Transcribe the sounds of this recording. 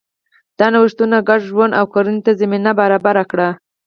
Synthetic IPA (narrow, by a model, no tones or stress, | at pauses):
d̪̥ɑnawɪʃt̪unaɡaɖʒwand̪awkoɾanet̪azaminabaɾɑbaɾakɽa